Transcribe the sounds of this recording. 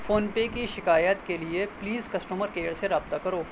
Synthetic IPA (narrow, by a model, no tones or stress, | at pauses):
foːnpekiʃɪkaːjət̪keliepliːzkɐsʈuməɾkeːɽseɾaːb̚t̪akɐɾoː